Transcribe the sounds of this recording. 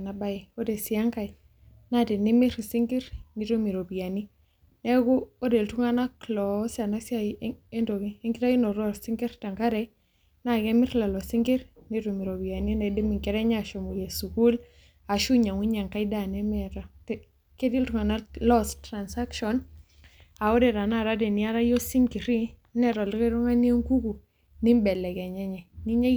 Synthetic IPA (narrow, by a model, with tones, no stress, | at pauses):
na˨ba˦i˨o˦de˨si˨a˦ŋka˨j | na˦te˨nɪ˦mɪ˦ɾsi˦ŋɡi˦ɾni˨to˦mi˨ɾo˨bi˨a˨ni˦ | nɛ˦ɡʊ˦o˦de˨ltu˦ŋa˦na˦klɔsa˨na˦siae˦ndo˨ki˦e˦ŋɡi˦ɾa˦i˦no˨ɾa˨ɾsi˦ŋɡi˦ɾta˨ŋka˦ɾɛ | na˦kɛ˦mɪ˦ɾla˨lɔ˨si˦ŋɡi˦ɾni˦ɾu˨mi˨ɾo˨bi˨ja˨ni˦na˨di˦mi˨ŋkɛ˦ɾɛ˦ɲː˦˨ʃo˨mu˨je˨su˨ku˦l | a˨ʃu˦ɲa˨ŋwi˦ɲa˨ŋka˦i˦da˦˨nɛ˦mɛ˨ɾa˨t | ke˦di˦ltu˨ŋa˨na˦lɔ˦stɾa˨nsa˦kʃɔ˨n | a˨ɔ˦dɛ˨ɾa˨na˦˨ɾa˦dɛ˨ni˨a˦ɾa˦jo˦si˦ŋki˨ɾi˦nɛ˨ɾo˨li˦ke˦ɾu˦ŋa˦ni˦e˦ŋku˦ku˨ | ni˦mbɛ˨lɛ˨ɡe˨ɲɛ˦ɲɛ˨ni˦ɲa˦